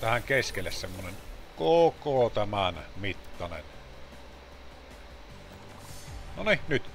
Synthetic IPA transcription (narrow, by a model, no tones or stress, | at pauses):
t̪æhæŋkeskelːæssemːonenkokot̪æmænmit̪ːɑnḛn | noninyt̪